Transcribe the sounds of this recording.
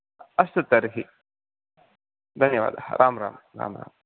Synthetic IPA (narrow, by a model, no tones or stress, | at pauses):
ɐst̪ɐt̪ɐɾɦi | d̪ɐnjɐʋa̰ːd̪aɾʔaːmɾa̰ːmɾa̰ːmɾa̰ːm